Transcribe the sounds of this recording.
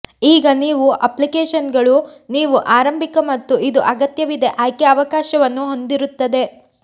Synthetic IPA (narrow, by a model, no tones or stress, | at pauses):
iːɡɐniːʋuʔɐplikeːʃɐnɡɐɭuniːʋuʔaːɾɐmbʱikɐmɐt̪ːuid̪uʔɐɡɐt̪jɐʋid̪e̞ʔaːjkeɐʋɐkaːʃɐʋɐnːuɦo̞nd̪iɾut̪ːɐd̪e̞